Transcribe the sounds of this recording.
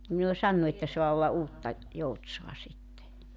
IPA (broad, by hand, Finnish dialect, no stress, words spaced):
ni ne o sɑnːu etːæ soɑ olːɑ uːtːɑ joutsoɑ sitːe